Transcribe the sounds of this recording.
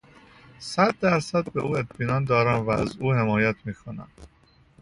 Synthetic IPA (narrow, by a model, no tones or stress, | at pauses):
sæd̪ːæɾsæd̪̚be̞̰ʔuːe̞t̪ʰbiːnɒːnd̪ɒːɾæmvææ̰zuːhe̞mɒːjæt̪ʰmiːkʰo̞næ̰m